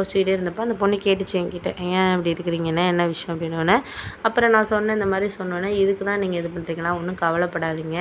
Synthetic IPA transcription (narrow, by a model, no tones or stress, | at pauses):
oːst͡ʃːɯɪʈeɾɯnd̪ɐpːoːɐnd̪ɐpɔɳːikeːʈːɯt͡ʃːẽŋkiːʈːɐʔãːɛpːɐɽiɪɾɯkːɪɾiːŋɡɐnːɐɛnːɐʋɪʂɐjɔ̃ɐpɐɽɪnoːnːɐɐpːɯɾɔ̃nãːsɔnːɐnɐ̃ɪnd̪ɐmaːd̪ɾisɔnːõːnːɐɪðɯkːɯt̪ãːniːŋɡɐɪðɯpɐɳɾɯikːɐnãːɔnːɯkɐʋɐɭɐpːɐɽaːðiːŋɡɐ